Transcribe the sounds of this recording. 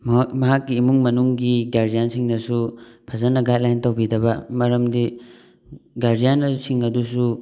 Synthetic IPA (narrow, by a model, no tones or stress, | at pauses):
mɐɦakːiːmuŋmɐnuŋɡiɡaɾdijansiŋnɐsupʰɐzɐnːɐɡat̚lajntawbidɐbɐmɐɾɐmdi | ɡaɾdijanɐsiŋɐdusu